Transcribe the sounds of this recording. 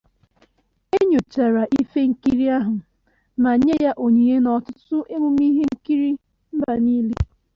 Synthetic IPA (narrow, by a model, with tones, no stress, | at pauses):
e˦ɲo˨t͡ʃa˨ɾa˨ʔi˦fe˦ŋ̩˦ki˦ɾi˦a˦ɦʊ˨ | na˨˦ɲe˦ja˦ʔo˨ɲi˨e˦nɔ˨tʊ˦tʊ˦ʔe˦mʊ˨mi˦ɦe˦ŋ̩˦ki˦ɾi˦ | m̩˦ba˨ni˦le˦